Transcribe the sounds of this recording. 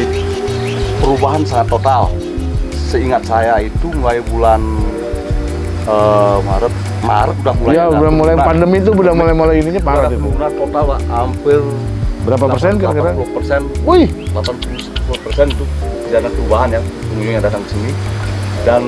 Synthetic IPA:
i | pəɾubaɦansaŋat̪ːot̪al | səiŋat̪̚sajait̪umulajbulan | əmaɾət̪̚ | ma̰ɾəkudahmulajaudamulajpandəmit̪̬ubədamlajmolajiniɲapaɾaitnat̪ːot̪alaʔampɪrbəɾapapərsɛnkatakaɾaŋulpərsɛnujhlapanpul | pulʊpərsɛnt̪ubid͡ʒanapəɾubaɦanjaŋpəŋuɲuŋjaŋdat̪aŋkəsinidan

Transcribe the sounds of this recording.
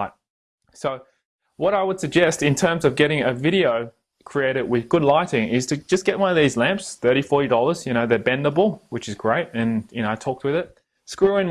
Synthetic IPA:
ɪt̚ | soʊ | wʌɾaɪwəd̥sɨɡ̚d͡ʒɛstɨ̃ntʰɜ̃˞mzʌvɡɛɾɪ̃ŋɨvɪɾioʊ | kʰɹ̥ieɪɾɨd̚wɪðɡʊdˡlaɪɾɪ̃ŋɪz̥tʰɨd͡ʒʌsɡ̥ɛʔ̚wʌ̃nʌvðizlæ̃mpsθɜ˞ɾifɔɹɾidɔlˠə˞z̥jɨñoʊðə˞bɛ̃ndəbl̩ˠwɨt͡ʃɨzɡɹeɪt̚ɨ̃njɨnoʊaɪtʰɔk̚t̚wɨðɪt̚ | skɹʉɪ̃ŋ

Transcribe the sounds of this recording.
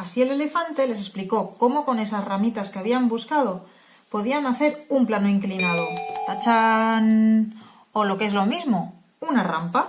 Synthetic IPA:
asie̞le̞le̞fant̪e̞le̞s̬e̞spliko̞ko̞mo̞ko̞ne̞sazramit̪askeaβiambuskaðo̞ | po̞ð̞ianaθe̞ɾumplanoiŋklinað̞o̞t̪at͡ʃan | olo̞kee̞zlo̞mizmo̞ | unara̰mpa

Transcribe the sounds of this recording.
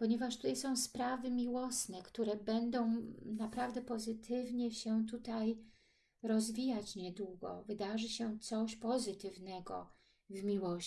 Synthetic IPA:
pɔɲɛvaʂt̪ut̪ajsɔ̃w̃spɾavɘmʲiwɔsnɛkt̪uɾɛbɛnd̪ɔ̃w̃napɾavd̪ɛpɔzɘt̪ʰɘvɲɛɕɛt̪̬ut̪aj | ɾɔzvʲijat͡ɕɲɛd̪wuɡɔ̰vɘd̪aʐɘɕɛt̪sɔɕpɔzɘt̪ɘvnɛɡɔ̰ | vmʲiwɔɕ

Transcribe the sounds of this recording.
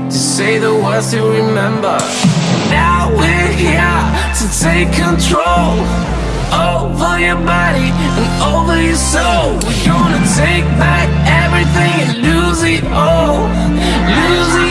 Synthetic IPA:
tʰɨseɪðəwʌsɨɹɨmɛ̃mbə̰˞ | naʊwihæp̚ | tʰɨtʰeɪkʰɨ̃ntʰɹ̥oʊlˠ | oʊpʌjəbɑɾi | ɨ̃nõʊ̃nli | soʊ | wiɡonɨtʰeɪk̚b̥æk̚ | ɛvɹiθɪ̃ŋɨ̃lu | zi | oʊ | luzi

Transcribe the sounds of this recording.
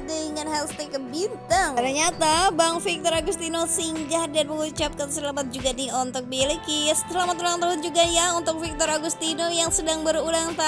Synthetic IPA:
dəiŋanɦɛlst̪ekəbint̪aŋt̪əɲat̪abaŋfik̚t̪ɔɾaɡust̪inosiŋd͡ʒadanməŋut͡ʃap̚kansəlamat̪̚d͡ʒuɡaniɔnt̪ʊk̚bilkisəlamat̪̚ulaŋt̪aɦʊnd͡ʒuɡajaunt̪ʊk̚fik̚t̪ɔɾaɡust̪inojaŋsədaŋbəɾulaŋt̪a

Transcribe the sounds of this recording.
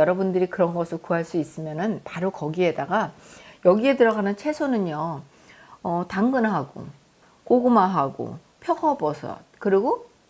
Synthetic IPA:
jʌɾʌbundɯɾikɯɾʌnɡʌsʰɯɭkuɦaɭs͈uis͈ɯmjʌnɯnpaɾokʌɡiɦe̞daɡajʌɡiɦe̞tɯɾʌɡanɯnt͡ɕʰe̞sʰonɯɲʌ | ʌtaŋɡɯnɦaɡo̰ | koɡumaɦaɡo̰ | pʰjʌkʌbʌsʰʌ̰kɯɾiɡo

